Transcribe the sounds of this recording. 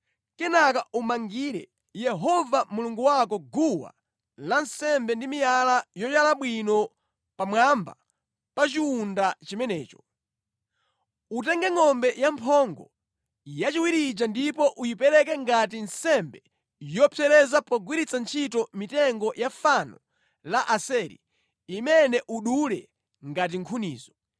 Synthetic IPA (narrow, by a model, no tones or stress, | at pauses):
kɛnakaʔumaŋɡiɾɛ̰ | jɛɦɔvamuluŋɡuwakɔɡuwa̰ | lansɛmbɛndimijalajɔjalaɓwinɔ | pamwamba̰ | pat͡ʃiundat͡ʃimɛnɛːt͡ʃɔ̥ | ut̬ɛŋɡɛŋɔmbɛjampʰɔŋɡɔ | jat͡ʃiwiɾid͡ʒandipɔʔujipɛɾɛkɛŋɡat̬insɛmbɛ | jɔpʰɛɾɛzapɔɡwiɾit͡sant͡ʃʰitɔmitɛŋɡɔjafanɔ̰ | laʔasɛɾḭ | imɛnɛʔuɗulɛ̰ | ŋɡat̬iŋkʰunḭːzɔ